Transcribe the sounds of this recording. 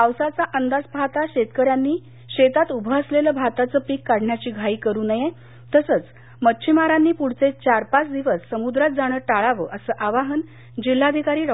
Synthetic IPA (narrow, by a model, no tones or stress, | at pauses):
awsat͡saʔənd̪ad͡zbʱat̪aɕet̪kəɾjanːiː | ɕet̪at̪ubʱəəsleləːbʱat̪at͡səːpiːkːaɽɳjat͡ɕiːɡʱaiːkəɾuːnəje | t̪əsəːt͡s | mətːɕʰimaɾanːiːpuɽ̤t͡set͡ɕaɾpat͡sd̪iʋəsːəmud̪ɾat̪̚d͡zaɽ̃əːʈaɭaʋəːʔəsəːʔaʋaɦən | d͡ʑil̤ːad̪ʱikaɾiːɾ